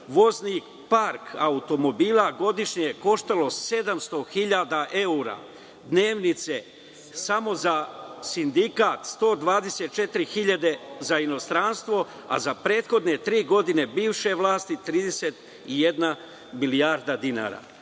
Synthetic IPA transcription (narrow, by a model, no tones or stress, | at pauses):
ʋo̞zni | paɾkʰaut̪o̞mo̞biːlaɡo̞d̪iʃɲejeko̞ʃt̪alo̞se̞d̪amst̪o̞xiʎad̪aʔe̞uɾa̰ | d̪ne̞ːʋnit̪se̞ | samo̞zasind̪ikat̪st̪o̞ːd̪ʋaːd̪e̞se̞t̪̚t͡ʃe̞t̪iɾixiʎad̪e̞zaino̞st̪ɾanst̪ʋo̞ | a̰zapɾe̞ːt̪xo̞d̪ne̞t̪ɾiːɡo̞d̪ine̞biːʋʃe̞ʋlˠaːst̪it̪ɾiːd̪eset̪ | ijed̪na | milijaɾd̪ad̪ina̰ɾa̰